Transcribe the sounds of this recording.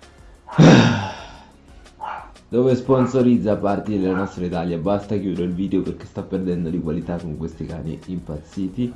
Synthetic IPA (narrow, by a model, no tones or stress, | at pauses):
d̪̥oːvesponsoɾid̪zːapart̪id̪elanɔst̪ɾait̪aljabast̪akjuːd̪ɾeɾeilviːd̪eoperk̟e̥st̪apːerd̪ɛnd̪od̪ikwalit̪akːoŋkwest̪ika̰ːnḭimpat̪sːiːt̪i